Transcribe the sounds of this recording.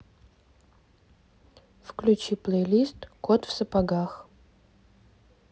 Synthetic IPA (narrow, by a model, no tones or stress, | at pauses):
fklʲut͡ʃiplˠejlʲist̪kot̪fsəpaɡax